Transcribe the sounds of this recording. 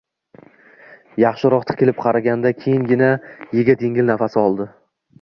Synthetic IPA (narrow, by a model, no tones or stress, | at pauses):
jɑχʃɪɾɒqt̪ʰɪ̥kʲɪlɪp̚qʰɑɾaɡʲand̪akʲʰejɪŋɡʲɪnajeɡʲad̪eŋʲɪlnafasɪɒlˠd̪ɪ